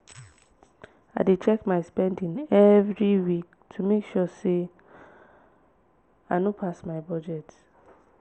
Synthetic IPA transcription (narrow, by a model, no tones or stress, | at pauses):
aɪdet͡ʃɛkmaɪspɛ̃ndĩnɛvɾiwik̚ | tʰumekʃɔse | anopʰasmaɪbɔd͡ʒɛt